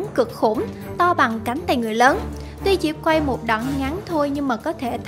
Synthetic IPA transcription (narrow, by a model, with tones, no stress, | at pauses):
kɨ˨˩ək̚xṵ˧˩m | t̪ɔ˧ɓa˨˩ŋka˨˦jŋ̟t̪a̰ː˧˨jŋɨ˨˩əjləː˨˦n | t̪wi˧t͡ɕḭ˧˥p̚kwa˧jmo˨˩t̚ɗə̰˧˨nŋa˨˦nt̪ʰo˧jɲɨ˧ŋmaː˨˩kɔ˨˦t̪ʰe˧˩t̪ʰ